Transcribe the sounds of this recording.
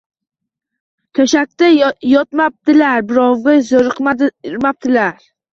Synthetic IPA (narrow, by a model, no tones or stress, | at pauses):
t̪ʲʰaʃak̚ʲt̪ajɒt̪map̚t̪ɪlaɾbɪɾɒwʁɑzoɾɨqmaɾmap̚t̪ʰɪlaɾ